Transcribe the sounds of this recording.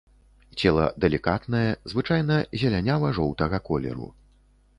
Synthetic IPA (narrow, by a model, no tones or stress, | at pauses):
t͡sʲɛlˠɐ̰d̪ɛlʲikat̪nɐjɛzvɨt͡ʂajnɐzʲɛlʲanʲavɐʐɔwt̪ɐɣɐkɔlʲɛ̰ɾṵ